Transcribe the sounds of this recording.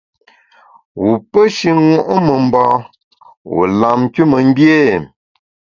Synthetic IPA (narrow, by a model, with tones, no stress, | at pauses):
wu˨pə˦ʃi˦ŋwɔ˦˨ʔmə˨m̩˨bɔ̃ː˦˨ | wṵ˨la˨m˦ku˦mə˨m̩˦bje˦˨